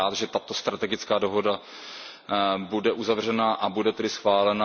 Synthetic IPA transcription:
aːt̪ʒɛt̪at̪o̞st̪ɾat̪ɛɡɪt͡skaːdoɦo̞da | budɛʔuzavr̝ɛnaʔabudɛt̪ɛdɪsxvaːlɛna

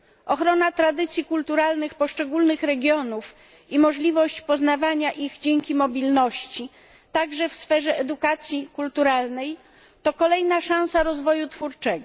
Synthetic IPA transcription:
ʔɔxɾɔnat̪ɾad̪ɘt̪sʲjikult̪uɾalnɘxpɔʂt͡ʂɛɡulnɘxɾɛɡʲjɔnuf | imɔʐlʲivɔɕt͡ɕpɔzn̪avaɲaʔiɣd͡ʑeŋkʲimɔbʲilnɔɕt͡ɕi | t̪aɡʐɛfsfɛʐɛɛd̪ukat̪sʲjikult̪uɾalnɛj | t̪ɔkɔlɛjnaʂãw̃saɾɔzvɔjut̪fuɾt͡ʂɛɡɔ

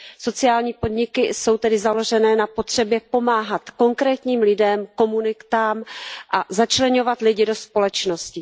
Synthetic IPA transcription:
so̞t͡sɪaːlɲiːpo̞dɲɪkɪso̞wt̪ɛdɪzalo̞ʒɛnɛːnapo̞t̪r̝̥ɛbjɛpo̞maːɦat̪ko̞ŋkɾɛːt̪ɲiːmlɪdɛmko̞munɪkt̪aːmʔazat͡ʃlɛɲo̞vat̪lɪɟɪdo̞spo̞lɛt͡ʃno̞scɪ

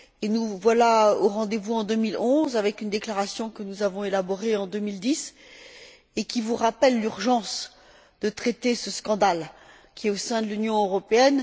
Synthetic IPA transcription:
enuvwalaoʁɑ̃d̪evuɑ̃d̪ømilɔ̃zavɛkynd̪eklaʁasjɔ̃kənuzavɔ̃elabɔʁeɑ̃d̪ømild̪is | ekʲivuʁapɛlːyʁʒɑ̃s | d̪̥ət̪χet̪esəskɑ̃d̪al | kʲiɛosɛ̃d̪əlynjɔ̃øʁɔpeɛn

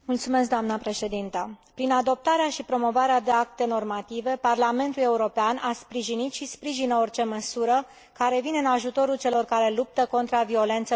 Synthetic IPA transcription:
mult̪sume̞s̬k̚d̪oamnəpɾe̞ʃe̞d̪int̪əpɾinad̪o̞p̚t̪aɾeaʃipɾo̞mo̞vaɾead̪eak̚t̪e̞no̞rmat̪ive̞parlame̞nt̪ule̞uɾo̞peanaspɾiʒinit̪ʃispɾiʒinəo̞rt͡ʃe̞məsuɾə | kaɾe̞vineɨnaʒut̪o̞ɾult͡ʃe̞lo̞rkaɾe̞lup̚t̪əko̞nt̪ɾavio̞le̞nt̪sə

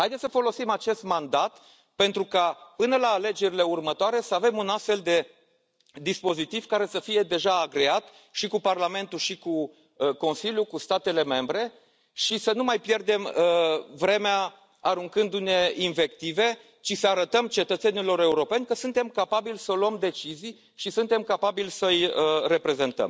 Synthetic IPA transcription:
hajd̪esəfo̞lo̞simat͡ʃe̞st̪mand̪at̪ | pe̞nt̪ɾukapɨnəlaːle̞d͡ʒe̞ɾile̞urmət̪oaɾe̞səave̞munast̪fe̞ld̪e̞ | d̪ispo̞zit̪iv̥kaɾe̞səfije̞d̪e̞ʒaːɡɾeat̪ | ʃikuparlame̞nt̪uʃiku | ko̞nsilʲjukust̪at̪e̞le̞me̞mbɾe̞ | ʃisənumajpje̞rd̪e̞məvɾe̞mea | aɾuŋkɨnd̪une̞inve̞k̚t̪ive̞ | t͡ʃisəaɾət̪əmt͡ʃe̞t̪ət̪se̞nilo̞ɾe̞uɾo̞pe̞nʲkəsunt̪e̞mkapabilʲsəloəmd̪e̞t͡ʃizij | ʃisunt̪e̞mkapabilʲsəjəɾe̞pɾe̞ze̞nt̪ə̰m

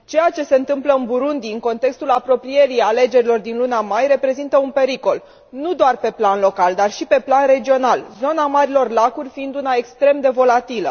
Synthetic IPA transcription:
t͡ʃe̞jat͡ʃe̞se̞ɨnt̪ɨmpləɨnbuɾund̪iɨŋko̞nt̪e̞kst̪ulapɾo̞pɾije̞ɾiale̞d͡ʒe̞ɾilo̞rd̪inlunamajre̞pɾe̞zint̪əunpe̞ɾiko̞l | nud̪oarpe̞planlo̞kald̪arʃipe̞planre̞d͡ʒio̞nalzo̞namaɾilo̞rlakurʲfiind̪unae̞kst̪ɾe̞md̪e̞vo̞lat̪ilə̰

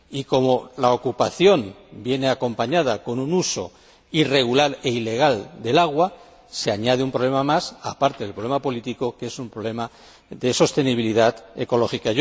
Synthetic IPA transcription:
iko̞mo̞laokupaθjo̞mbje̞ne̞ako̞mpaɲað̞ako̞nunuso̞̰ | ire̞ɣ̞ulaɾe̞ile̞ɣ̞ald̪e̞laɣ̞wa | se̞aɲað̞eumpɾo̞βle̞mamasapaɾt̪eðlpɾoemapo̞lit̪iko̞ke̞sumpɾole̞ma | ðe̞so̞st̪e̞niβiliðate̞ko̞lo̞xika

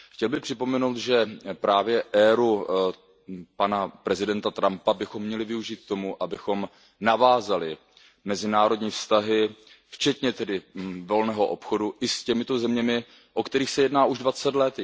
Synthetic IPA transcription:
xcɛlbɪxpr̝̥ɪpo̞mɛnowt̪ʒɛpɾaːvjɛʔɛːɾu | panapɾɛzɪdɛnt̪at̪ɾampabɪxo̞mːɲɛlɪvɪuʒiːt̪̚t̪ːo̞muʔabɪxo̞m | navaːzalɪ | mɛzɪnaːɾo̞dɲiːfst̪aɦɪ | ft͡ʃɛt̪ɲɛt̪ɛdɪvo̞lnɛːɦo̞ʔo̞pxo̞duʔɪscɛmɪt̪o̞zɛmɲɛmɪ | ʔokt̪ɛɾiːxsɛjɛdnaːʔuʒdvat͡sɛt̪lɛt̪

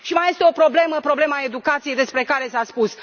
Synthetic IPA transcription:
ʃimaje̞st̪e̞o̞pɾo̞ble̞məpɾo̞ble̞mae̞d̪ukat̪sije̞jd̪e̞spɾe̞kaɾesaspus

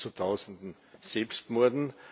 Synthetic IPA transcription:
t͡suət̪ʰaʊzn̩dn̩ | sɛlpstmɔɐdn̩

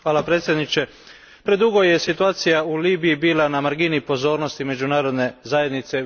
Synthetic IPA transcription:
xʋaːlapɾeːt̪sjed̪nit͡ʃe̞ | pɾe̞d̪uɡo̞je̞sit̪uaːt̪sijauliːbijibiːlanamaɾɡinipo̞zo̞ːɾno̞st̪ime̞d͡ʒunaːɾo̞d̪ne̞zaːje̞d̪nit̪se̞

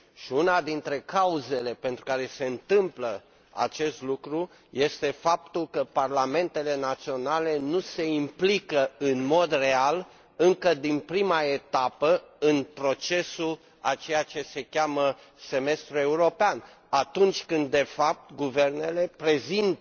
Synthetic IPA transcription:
ʃiunad̪int̪ɾe̞kauze̞le̞pe̞nt̪ɾukaɾe̞se̞ɨnt̪ɨmplə | a̰t͡ʃe̞st̪lukɾu | je̞st̪e̞fap̚t̪ulkəparlame̞nt̪e̞le̞nat̪sio̞nale̞nuse̞implikəɨnmo̞d̪re̞al | ɨŋkəd̪inpɾimaet̪apəɨnpɾo̞t͡ʃe̞sul | at͡ʃe̞jat͡ʃe̞se̞kʲamə | se̞me̞st̪ɾue̞uɾo̞pean | at̪unt͡ʃʲkɨnd̪dːe̞fap̚t̪ɡuve̞rne̞le̞pɾe̞zint̪

